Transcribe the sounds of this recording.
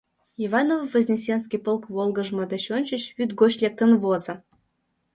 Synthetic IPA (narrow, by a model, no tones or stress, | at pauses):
ivɑnovvəzʲnʲisʲenskʲipolˠkvolˠɡə̆ʒmɤd̪eɕonʲt͡ɕə̆ɕβyt̪ɡot͡ɕlʲek̚t̪ə̆nvozə̆